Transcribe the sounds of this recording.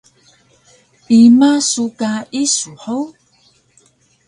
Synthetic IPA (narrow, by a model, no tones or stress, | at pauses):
imasukaisuħow